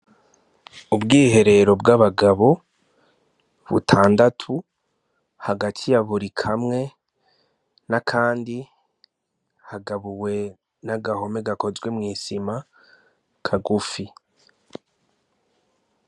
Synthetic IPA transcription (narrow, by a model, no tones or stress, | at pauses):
ubɡiːhe̞ɾe̞ɾo̞bɡaβaɡaβo̞ | βṵtʰaːndatʰu | haɡatʰijaβuɾikʰamŋe̞ | nakʰaːndi | haɡaβuwe̞ | naɡaho̞me̞ɡako̞zɡwe̞mŋiːsima | kʰaɡufi